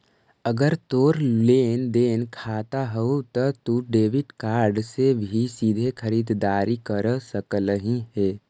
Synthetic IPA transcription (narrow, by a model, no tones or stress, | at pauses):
əɡəɾt̪oːɾleːnd̪eːnkʰaːt̪aɦɛut̪ət̪uɖeːʋɪʈkaːɾɖsebʱisid̪ʱekʰəɾiːd̪d̪aːɾikəɾsəkələɦĩɦɛː